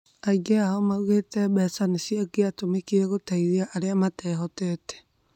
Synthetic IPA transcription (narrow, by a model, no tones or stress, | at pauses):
aiɡɛaɔmauɣetɛβɛsanesiaɡeatomekiɾɛɣotaiðeaʔːɾeamatɛɦɔtɛtɛ̥